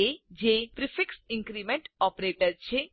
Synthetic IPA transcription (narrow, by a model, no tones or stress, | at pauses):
ed͡ʒepɾifɪksɪ̃ŋkɾimeɳʈɔpɾeʈəɾt͡ʃʰe